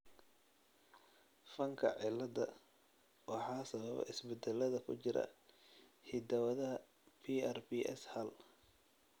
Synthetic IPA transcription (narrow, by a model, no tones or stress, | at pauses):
fɐŋkʰɐ̰ʕɪlːɐd̪ɐ | wɑħɑːsɐβɐβɛ̰ʔɪsbɛd̪ɛlɐðɐkʰʊt͡ʃɪɾɐ̰ | hid̪ɐwɐðɐɦɐ | pʰiɐrbiʔɛ̰shɐl